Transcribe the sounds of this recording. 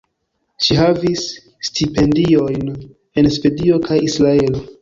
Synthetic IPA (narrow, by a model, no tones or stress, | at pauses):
ʃiɦavisː | tipe̞ndio̞jn | e̞nspe̞dio̞kʰajisɾae̞lo